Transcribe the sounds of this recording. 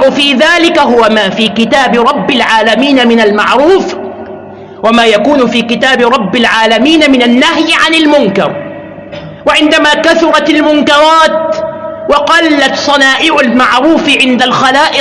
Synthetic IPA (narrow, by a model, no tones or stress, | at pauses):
ʕʊfiːðaːlɪkaɦʊwamaːfiːkɪt̪aːbɪɾˤɑbːɪlʕaːlamiːnamɪnalmaʕɾuːf | wamaːjakuːnʊfiːkɪt̪aːbɪɾˤɑbːɪlʕaːlamiːnamɪnanːahjʕanalmʊŋkɑ̰ɾˤ | waʕɪnd̪amaːkaθʊɾˤɑt̪almʊŋkɑɾˤɑːt̪wɑqɑlːat̪sˤɑnaːʔɪʕʊlmaʕɾuːfʕɪnd̪alxalaːʔɪ